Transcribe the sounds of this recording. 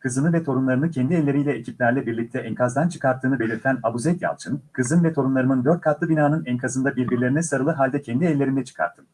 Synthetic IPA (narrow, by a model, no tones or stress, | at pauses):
kʰɯzɯnɯvɛt̪ʰo̞ɾunlˠaɾɯnɯcʰɛnd̪iɛlʲːe̞ɾijlʲɛecʰip̚lʲæɾlʲɛbiɾlʲic̚t̪ʰɛʔɛŋkʰazd̪ant͡ʃʰɯ̥kʰaɾt̪ʰːɯːnɯbe̞lʲiɾt̪ʰænabuzɛt̪ja̰lˠt͡ʃʰɯnkʰɯzɯnvɛt̪ʰo̞ɾunlˠaɾɯmɯnd̪øɾt̪̚kʰat̪lˠɯbinaːnɯnɛnkʰazɯnd̪abiɾbiɾlʲe̞ɾinɛsaɾɯlˠɯɦalʲd̪ɛcʰɛnd̪iɛlʲːe̞ɾind̪ɛt͡ʃʰɯ̥kʰa̰ɾt̪ʰːɯ̥m